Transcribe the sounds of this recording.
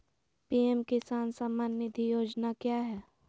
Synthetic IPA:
piːɛmkɪsaːnsamaːnːɪd̪ʱijoːd͡ʒnakjaːɦɛː

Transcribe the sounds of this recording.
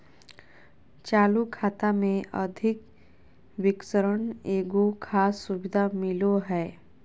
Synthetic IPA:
t͡ʃaːlukʰaːt̪amẽʔəd̪ʱɪk | ʋɪksəɾəɳeːɡokʰaːsːʊbɪd̪ʱamɪloɦɛː

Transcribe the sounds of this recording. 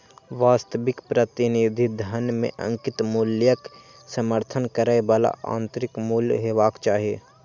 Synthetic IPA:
ʋaːst̪əʋɪkpɾət̪ɪnid̪ʱid̪ʱənmḛ̃ʔɐ̰̃ŋkɪt̪muːljək | səməɾt̪ʰənkəɾaebaːla̰ʔã̰ːnt̪ɾɪkmuːljɦeʋaːkt͡ʃaːɦieː

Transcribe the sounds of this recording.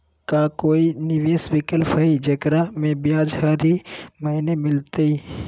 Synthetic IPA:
kakoːinɪʋeːsʋɪkəlpʰəid͡ʒəɡɾamẽbɪjaːd͡ʒɦəɾiməinemɪlt̪ei

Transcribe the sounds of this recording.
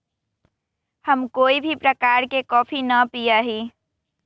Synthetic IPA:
həmkoːibʱipɾəkaːɾkekɔːpʰinəpijaɦiː

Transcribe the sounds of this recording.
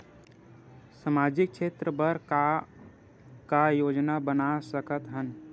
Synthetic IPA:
səmaːd͡ʒɪk̚ʃʰeːt̪ɾəbəɾ | kajoːd͡ʒnabənasəkət̪ɦən

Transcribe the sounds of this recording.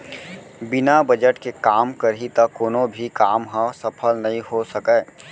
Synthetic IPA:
bɪnabɐd͡ʒəʈkekaːmkɐɾɦit̪ɐkoːnõbʱikaːmɦãsɐpʰəlnɐɦĩɦosɐkɛː

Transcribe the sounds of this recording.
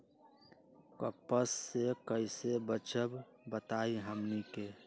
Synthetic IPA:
kəpːəsːekəisebət͡ʃəb | bət̪aːiɦəmnike

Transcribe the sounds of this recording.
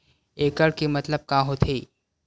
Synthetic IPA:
eːkəɽkemɐt̪ləb̚kaːɦot̪ʰeː

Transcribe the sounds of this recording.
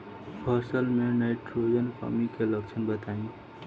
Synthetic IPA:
pʰʌsəlmenaɪʈɾod͡ʒənkʰə̰mikeləɡ̚t͡ʃʰənbət̪aĩ

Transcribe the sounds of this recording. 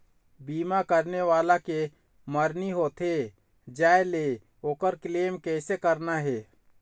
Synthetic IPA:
biːmakəɾneʋaːlake | məɾniɦoːt̪ʰɦe | d͡ʒaːele | oːkəɾkleːmkɛːsekəɾnaɦɛː

